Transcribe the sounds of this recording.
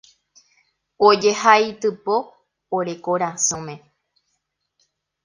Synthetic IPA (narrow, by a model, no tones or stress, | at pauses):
od͡ʒehajt̪ɨpo̞ː | ɾe̞koɾasõmẽ̞